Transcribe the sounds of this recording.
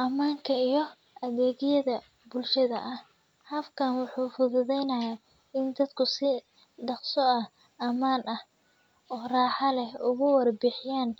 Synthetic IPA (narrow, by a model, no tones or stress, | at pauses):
ʔɐmaːŋkʰɐijɞ | ʔɐðɛːɣɪjɐðɐ | bʊlʃɐðɐ̰ʔɐh | hɐfkʰaːnwʊħuːfʊðʊðɛjnɐja | ɪnd̪ɐd̪kʰʊsɪ | ɖɑqsɔɐ | ʔɐmaːnɐh | ɔːraːħɑlɛhʊɣʊwɐrbɪħɪjaːn